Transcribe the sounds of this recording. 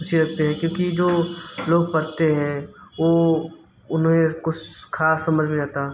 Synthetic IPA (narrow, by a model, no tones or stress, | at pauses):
ʊt͡ʃʰiɾɐk̚ʰt̪eɦɛ̃kjõːkid͡ʒoːloːɡ̚pɐɾt̪eɦɛ̃ʋoː | ʊnmẽkʊt͡ʃʰxaːsːɐməd͡ʒʱmẽd͡ʒaːt̪aɛ